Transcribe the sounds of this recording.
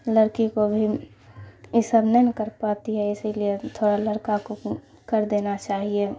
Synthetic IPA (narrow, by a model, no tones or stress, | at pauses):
ləɾkikobʱi | ɪsəbnɛnkəɾpaːt̪iɦɛɪsiliet̪ʰoːɽaləɽkako | kəɾd̪eːnat͡ʃaːɦie